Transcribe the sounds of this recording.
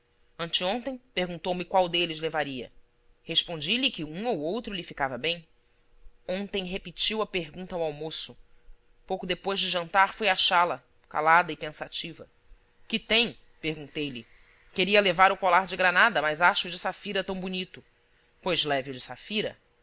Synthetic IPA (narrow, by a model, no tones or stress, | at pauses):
ɐ̃nt͡ʃɪõnt̪ẽj̃peɾɡũnt̪owmɪkwawd̪elɪzlevaɾiɐ̰ | heʃpõnd͡ʒilɪkɪũowowt̪ɾʊlɪfikavɐbẽj̃ | õnt̪ẽj̃ɦepit͡ʃiwɐpeɦɡũnt̪ɐawawmosʊ | powkʊd̪epojʒd͡ʒɪʒɐ̃nt̪aɾfojaʃalɐ | ka̰lad̪ɐɪpẽsat͡ʃivɐ | kɪt̪ẽj̃ | peɾɡũnt̪ejlɪ | keɾiɐlevaɾʊkolaɾd͡ʒɪɡɾanad̪ɐmɐjzaʃʊd͡ʒɪsafiɾɐt̪ɐ̃w̃bunit̪ʊ | pojzlɛvɪud͡ʒɪsafiɾɐ̰